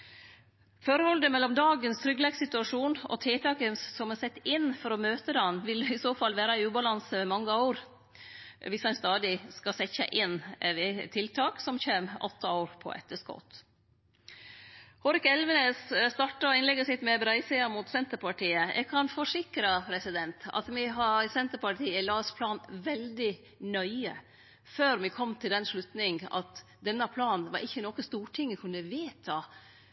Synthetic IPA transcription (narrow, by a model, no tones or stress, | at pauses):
fɔɾəhɔld̪əmɛlːɔmd̪ɑːɡənst̪ʰɾʏɡlɛːɡsɪt̪ʉɑʂuːnɔ̰t̪ʰet̪ʰɑːkənssɔmɛsɛt̪ːɪnːfɔɾɔmøːt̪əd̪ɑnʋɪlɪsoːfɑlːʋæːɾɑæʉːbɑlɑnsəʋɛmɑŋːəoːɾ | ʋɪsɑnst̪ɑːd̪ɪskɑsɛçə̰ʔɪnʋɛt̪ʰɪlt̪ʰɑːksɔmçeːmʔɔ̰t̪ːɑoːɾpʰɔ̰ʔɛ̰t̪ːəskɔ̰t̪ | hɔɾɪkɛlʋənesst̪ɑʈɑɔɪnlɛɡəsɪt̪mɛbɾæɪsɛɑmʊt̪sɛnt̪əɾpʰɑʈʰiːəʔɛ̰ɡ̚kʰɑnfɔʂɪkɾɑpʰɾɛsɪd̪ɛnt̪ɑ̰t̪mɪɦɑsɛnt̪əɾpɑʈʰiːɪlɑːspʰlɑːnʋɛld̪ɪ | nœʏə̰ | føːɾmɪkʰɔmːt̪ʰɪld̪ɛnʂɭʉt̪nɪŋɑ̰t̪ | d̪ɛnːɑpʰlɑːnnʋɑ̰ɾʔɪçːənoːkəst̪uːʈʰɪŋːɪkʰʉnːəʋeːt̪ʰɑ